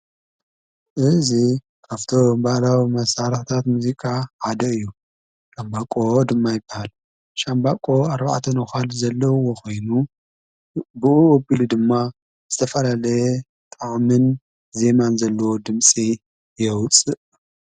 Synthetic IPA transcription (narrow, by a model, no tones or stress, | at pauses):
ʔɨzi | kʰaft̪ʰombalawimɐsaɾɨħɨt̪ʰat̪muzikʼaʕad̪ɐɨjːu | ʃambakʼod̪ɨmːajɪbːahal | ʃambakʼo̞aɾba̰ʕt̪ʰɐnɐxalzɐlːɐwoko̞jnu | bɨuobilud̪ɨmːa | zɨt̪ʰɐfɐlalɐjɛ | t̪ʼaʔʼmɨn | ze̞manzɐlːɐwo̞d̪ɨmsʼi | jɛwt͡sʼɨʔ